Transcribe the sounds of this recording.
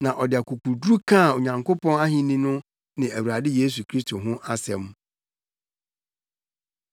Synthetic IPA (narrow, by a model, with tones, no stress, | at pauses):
nã˨ʔɔ˨dɪ˨a˨kʰu˨kʰu˨dɾu˦kʰã˦˨o˨ɲã˨ŋko˦pɔ̃˦na˦ɦɪ̃˦nĩ˦nʊ̃˦ | nɪ̃˨æ˨wu˨ɾa˨dɪ˦jeː˦s̬u˨kʰɾi˦stʰo˨ɦʊ̃˦ʔa˦sɛ̃˨m